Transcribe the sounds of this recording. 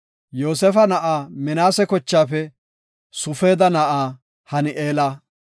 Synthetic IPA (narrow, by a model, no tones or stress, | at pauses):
joːs̬ɛfɐnɐʔaːmɪnaːsɛkɔt͡ʃːaːfɛ | sʊfeːd̪ɐnɐʔaː | hɐnɪʔeːlɐ